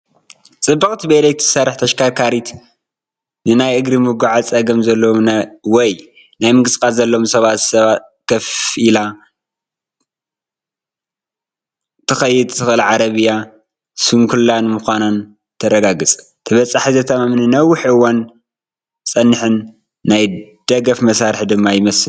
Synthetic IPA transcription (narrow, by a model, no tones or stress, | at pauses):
t͡sʼɨbːɨkʼt̪ʰibelejt̪ʰɨsɐɾɨħt̪ʰɐʃkʰaɾkʰaɾit̪ | nɨnajʔɨɡɾimɨɡaʕat͡sʼɐɡɐmzɐlːomnɐwɔj | najmɨɡɨsʼkʼalzɐlːomsɐβat̪sɐβat̪ | kʰɐfʔila | t̪ʰɨxɐjːɪd̪̚t̪ʰɨxɨlʕaɾɐβɨjːa | suŋkʰulːanmuxʷanan | t̪ʰɐɾɐɡaɡɨt͡sʼ | t̪ʰɨβɐt͡sʼaħizɐt̪ʰɐmamninɐwʊħʔɨwːan | t͡sʼɐnːɨħɨnː | ajd̪̥ɐɡɐfmɐsaɾħid̪ɨmːajɪmɐsɨl